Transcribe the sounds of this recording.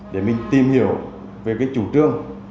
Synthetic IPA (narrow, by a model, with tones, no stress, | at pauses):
ɗe˧˩mï˨˩ŋ̟t̪i˨˩mhi˧˩əw | ve˨˩kaː˨˦jt͡ɕu˧˩˦t͡ɕɨ˧əŋ